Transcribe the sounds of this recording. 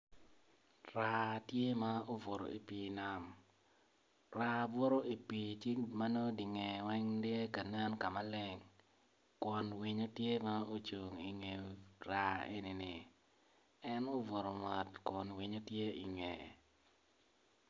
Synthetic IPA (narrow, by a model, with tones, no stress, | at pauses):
ɾa˨tje˦ma˦o˦vo˨ɾo̰˨i˨pi˨na˦m | ra˦˨vo˦ɾo˦i˨pi˨t͡ʃi˦ma˦no˦di˨ŋɛ˨wɛ˦ŋdje˦ka˨na˦nka˨ma˦lɪ˦ŋ | kɔ˨nwi˨ɲo˦tje˦ma˦o˦t͡ʃu˨ŋi˨ŋe˨ɾa˨ḛ˦ni˨nɪ˨ | ɛ˦no˦vo˨ɾo˨ŋa˨tkɔ˨nwi˦ɲo˦tje˦ʔi˨ŋḛ˨